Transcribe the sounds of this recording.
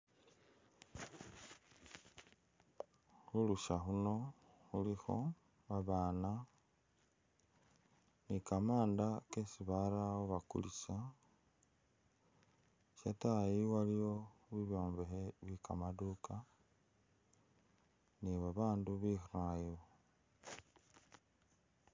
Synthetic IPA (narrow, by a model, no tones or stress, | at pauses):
xuluʃaxuno̞ | xulixo̞̰ | βaβaːna | nikamaːndakesiβaɾawoβakṵlisa | ʃatajiwalijo̞βiβjoːmbexeβikamaduka | niβaβaːnduβixiɾajiwo